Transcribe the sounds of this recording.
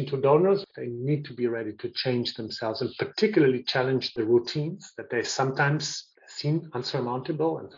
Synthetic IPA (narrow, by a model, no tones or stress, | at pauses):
ntʰudõnə˞zðeɪnid̚tʰubiɹɛɾitʰɨt͡ʃʰẽɪ̃nd͡ʒðə̃msɛlˠvzɨ̃npʰə˞tʰɪkjl̩ˠə˞lit͡ʃʰælˠə̃nd͡ʒðɨɹutʰĩnz̥ðɨt̪̚ðeɪsʌ̃mtʰãɪ̃mz̥ | sĩnʌ̃nsə˞mãʊ̃ntɨbl̩ˠə̰̃n